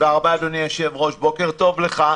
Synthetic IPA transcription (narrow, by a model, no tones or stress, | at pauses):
veaʁbaːd̪oniaʃevʁo̞ʃbo̞ke̞ʁt̪o̞vleχa